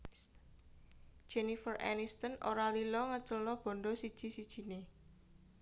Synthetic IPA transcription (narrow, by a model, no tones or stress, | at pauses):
d̥ʒ̥ɛnifərʔɛ̰nist̪ənʔo̰ɾalilɔŋət͡ʃəlnɔb̥ɔ̤ɳɖɔsid̥ʒ̥i̤sid̥ʒ̥i̤ne